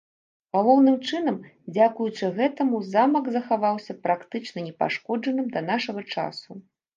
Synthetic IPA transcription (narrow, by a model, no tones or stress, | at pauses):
ɣalˠɔwnɨmt͡ʂɨn̪ɐmd͡zʲakujut͡ʂɨɣɛt̪ɐmuzamɐɡzɐxavawsʲɐpɾakt̪ɨt͡ʂnɐnʲɛpa̰ʂkɔd͡ʐɐnɨmd̪ɐnaʂɐɣɐt͡ʂa̰su